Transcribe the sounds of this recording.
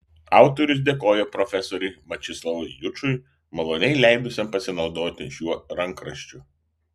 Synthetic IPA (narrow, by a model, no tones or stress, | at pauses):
ɑˑʊt̪ɔɾʲʊs̬d̪ʲeːkoːjɛpɾɔfʲɛsɔɾʲɛɪmɐt͡ʃʲɪslˠɐʋʊɪjʊt͡ʃʊɪ | mɐlˠoːnʲɛɪlʲæˑɪb̪ʲʊsʲɛmpɐsʲɪnɒʊd̪oːt̪ʲɪ̰ʃʲuɔɾɐŋˑkɾɐʃʲt͡ʃʲʊ